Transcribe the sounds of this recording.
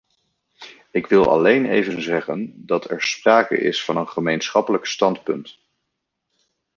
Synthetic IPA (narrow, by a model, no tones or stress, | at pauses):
ɪkʋɪlˠʔɑ̰lejnḛjvənzɛχəndɑtʰɛ̰ɹspraːkə̰ʔɪ̰sfɑnənχəmejnsχɑpələkstɑntpɵnt